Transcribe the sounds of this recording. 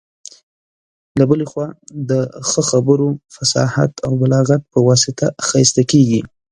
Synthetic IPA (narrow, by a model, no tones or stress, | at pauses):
labəlexwɑd̪əxəxabəɾofasɑ̰ha̰t̪awmalɑɣat̪̚pəwɑsɪt̪ʰaxɑst̪akeɡi